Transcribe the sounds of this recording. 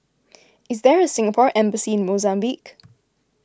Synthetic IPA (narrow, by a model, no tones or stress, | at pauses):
ɪzðəɹəsɪ̃ŋəpʰɔɹʔɛ̃mbəsiɪ̃nmozãmbik